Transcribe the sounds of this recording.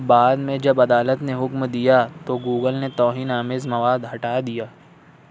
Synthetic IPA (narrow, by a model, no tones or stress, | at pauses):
baːd̪mẽd͡ʒɐbɐd̪aːlət̪neɦʊkmd̪ijat̪oɡuːɡəlnet̪ɔːɦiːnaːmɪzmɐʋaːd̪ɦɐʈaːd̪ijaː